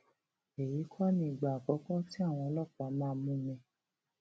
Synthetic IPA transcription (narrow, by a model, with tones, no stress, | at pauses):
e˨ji˨˦kʰɔ˦nĩ˧i˨ɡ͡ba˨k͡pɔ˨˦kɔ˦ti˦a˦˨w̃ɔ̃˧lɔ˦˨k͡pa˨˦mãː˦˧mũ˦mɛ̃˧